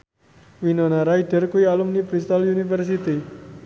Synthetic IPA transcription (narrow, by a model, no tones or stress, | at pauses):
winɔnaɾaiɖ̥ə̤rkuialumnipɾist̪aljunifərs̬it̪i